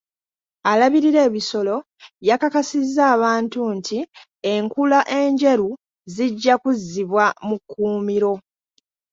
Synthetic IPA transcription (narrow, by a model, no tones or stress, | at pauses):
alaβiɾiɾe̞ːβiso̞lo̞ | jakakasizːaːβaːntuntʰi | e̞ŋkulaʔe̞ɲɟe̞ɾu | ziɟːakuzːiβwamukːuːmiɾo̞